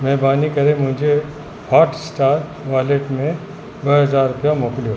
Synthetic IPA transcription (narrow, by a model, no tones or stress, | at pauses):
mɛːbaːnikɐɾẽmʊ̃ɦd͡ʒʱe | haːɾʈsʈaːɾ | ʋaːleʈmẽ | ʋɐɦɐzaːɾːʊpjamɔːklio